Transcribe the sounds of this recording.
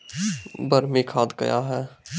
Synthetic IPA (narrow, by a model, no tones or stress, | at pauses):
bəɾmẽkʰaːd̪ɡɐ̰jaɦɛː